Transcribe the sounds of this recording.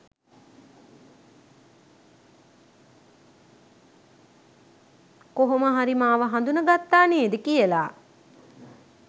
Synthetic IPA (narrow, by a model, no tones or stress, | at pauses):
koɦoməɦaɾimaːʋəɦand̪unəɡat̪ːaːneeːd̪əkijəlaː